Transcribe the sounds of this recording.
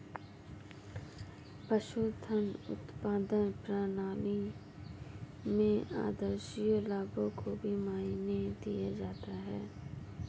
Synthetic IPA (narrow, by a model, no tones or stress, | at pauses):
pɐʃut̪ʰənʊ̰t̪paːd̪ənpɾaːnaːni | mẽa̰ːd̪əɾʃijolaːbõkʰobʱimaːined̪ḭjad͡ʒaːt̪aɦɛː